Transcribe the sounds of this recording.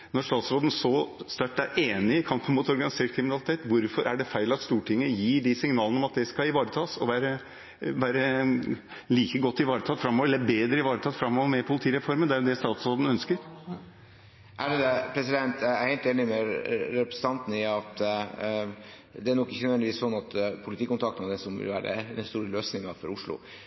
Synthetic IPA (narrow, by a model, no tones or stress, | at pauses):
nɔʂt̪ɑːt̪sɾoːd̪n̩sɔst̪æʈːæɾʔeːnɪɪkʰɑmpənmuːt̪ɔɾɡɑnɪseːʈ̚kʰɾɪmɪnɑlɪt̪ʰeːt̪ʋʊɾfɔɾæɖɛfæɪlɑt̪st̪uːʈʰɪŋːəjiːɖɪsɪŋnɑːlənɔmɑt̪̚d̪ɛskɑɪʋɑːɾət̪ʰɑːsɔʋæːɾə | ʋæːɾə | liːkəɡɔt̪ːɪʋɑːɾət̪ʰɑːt̪fɾɑmːɔːʋɾɛlːbeːd̪ɾəɪʋɑːɾət̪ʰɑːt̪fɾɑmːɔːʋəɾmɛpʰʊlɪt̪ʰiːɾɛfɔɾmənd̪æɾd̪ɛst̪ɑːt̪sɾoːd̪n̩œnskəɾ | ʔæɖɛd̪ɛpʰɾɛs̬ɪd̪ɛnt̪æɾheɪlt̪eːnɪmɛɾɛpɾəɛsən̩t̪ʰɑnt̪ənəɪɑt̪ | d̪ɛænɔkːɪçːənœd̪ʋɛnɪʋiːsɔnːɑt̪pʰʊlɪt̪ʰiːkʊnt̪ʰɑkt̪əɔd̪ɛsɔmʋɪ̰lʋæ̰ːɾə̰d̪ɛst̪uːɾəløːsnɪŋɑfɔɾʊʂlʊ̰